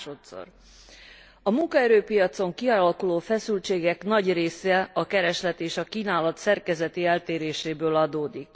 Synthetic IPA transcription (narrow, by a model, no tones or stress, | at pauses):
ʃot̪so̰r | ɒmuŋkɒɛɾøːpijɒt̪so̞ŋkiɒlɒkuloːfɛsylt͡ʃeːɡɛkn̪ɒɟreːsɛɒkɛɾɛʃlɛt̪eːʃɒkiːnaːlɒt̪sɛrkɛzɛt̪iɛlt̪eːɾeːʃeːbøːlɒd̪oːd̪ik